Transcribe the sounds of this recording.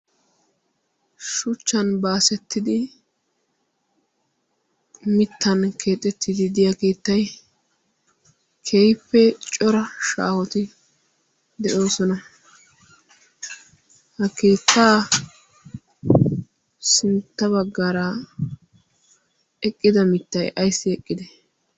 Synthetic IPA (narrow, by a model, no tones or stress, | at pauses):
ʃʊt͡ʃːɐnbaːsɛt̪ːɪd̪ɪ | mɪt̪ʰːɐnkʰeːt̪ʼːɛt̪ʰːɪd̪ɪd̪ɪjakeːt̪ːɐj | kʰeːjpːɛt͡ʃʼɔɾɐʃa̰ːhɔt̪ɪ | d̪ɛʔo̞ːsɔnɐ | hɐke̞ːt̪ʰːaː | sɪnt̪ːɐbɐɡːaɾɐ | ɛkʼːɪd̪ɐmɪt̪ːɐjʔɐjsːɪɛkʼːɪd̪ɛ